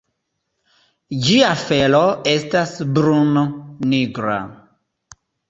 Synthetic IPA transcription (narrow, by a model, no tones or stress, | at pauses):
d͡ʒiafeloestasbɾunoniɡɾa̰